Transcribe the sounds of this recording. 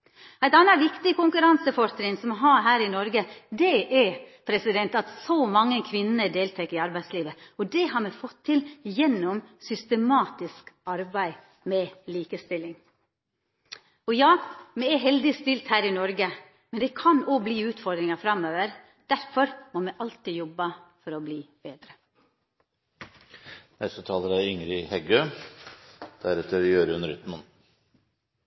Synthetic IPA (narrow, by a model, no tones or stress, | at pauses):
æɪt̪ɑnɑʋɪkt̪ɪkʊŋkʉɾɑnsəfɔʂtɾɪŋsɔmɔɦɑːɦæːɾɪnɔɾɡəd̪ɛʔɛpʰɾɛsɪd̪ɛnt̪ɑt̪sɔmɑŋːənkʰʋɪnnəd̪eːlt̪ʰɛkːəɾɪɑɾbæɪsliːʋəɔd̪ɛɦɑɾmɛfɔt̪ʰːɪljɛnːɔmsʏst̪əmɑːt̪ɪskɑɾbæɪ | mɛliːkəst̪ɪlːɪŋ | ɔjɑːmɛæɦɛld̪ɪst̪ɪlt̪hæːɾɪnɔɾɡə | mɛnd̪ɛːkʰɑnoːbliːʉːt̪fɔɾd̪ɾɪŋɑfɾɑmøːʋəɾ | d̪̥æɾfɔɾmoːmɛʔɑlt̪iːjɔbːɑfɔɾɔbliːb̥eːd̪ɾə | nɛst̪ət̪ʰɑːləɾæʏŋɾɪhɛɡøː | d̪̥æɾɛt̪əɾjøːɾʉnɾʏt̪mɑn